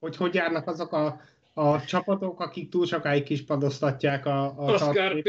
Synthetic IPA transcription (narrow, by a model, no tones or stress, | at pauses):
ho̞cho̞ɟjaːrnɒkɒzo̞kɒː | t͡ʃɒpɒt̪o̞kɒkik̚t̪uːlʃokaːjikːiʃpɒd̪ost̪ɒcːaːkɒːɒre